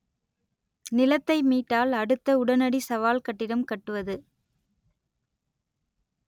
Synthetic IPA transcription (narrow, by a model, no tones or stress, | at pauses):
nɪlɐt̪ːɐɪmiːʈːaːlɐɽɯt̪ːɐʊɽɐnɐɽisɐʋaːlkɐʈːɪɾɐmkɐʈːɯʋɐðɯ